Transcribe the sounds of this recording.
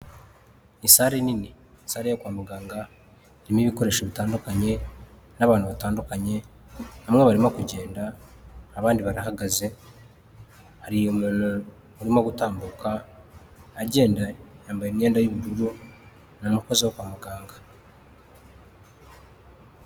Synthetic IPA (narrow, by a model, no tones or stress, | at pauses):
isaːɾenini | saːɾejokwaːmuɡaːŋɡa | iɾimiβiko̞ɾe̞ʃoβitaːndukaɲe̞ | naβaːnhuβataːndukaɲe̞ | hamŋeβaɾimokuɟe̞ːndaː | βaːndiβaɾaɦaɡaze̞ | haɾijomul | uɾimoɡutaːmbukaː | ɟe̞ːndajaːmbajemɲeːndajuβuɾuɾu | nomuko̞zewokwaːmuɡaːŋɡa